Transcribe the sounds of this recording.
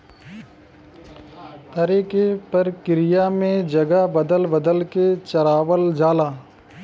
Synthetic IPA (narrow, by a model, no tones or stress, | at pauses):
t̪ɐɾiːkepɐɾkɪɾɪjamẽd͡ʒɐɡabəd̪əlbəd̪əlket͡ʃɐɾaːʋəld͡ʒaːlaː